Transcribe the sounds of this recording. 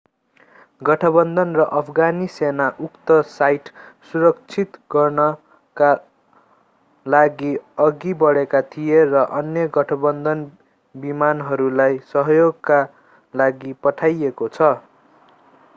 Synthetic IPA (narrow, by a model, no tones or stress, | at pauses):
ɡʌʈʰʌbʌnd̪ʌnrʌʔʌpʰɡanisenaʔukt̪ʌsajʈsuɾʌk̚t͡sʰit̪ɡʌrnʌ | ka | laɡiʌɡibʌɽekat̪ʰijerʌʔʌnjʌɡʌʈʰʌbʌnd̪ʌn | bimanɦʌɾulajsʌɦʌjoɡka | laɡipʌʈʰajekot͡sʰʌ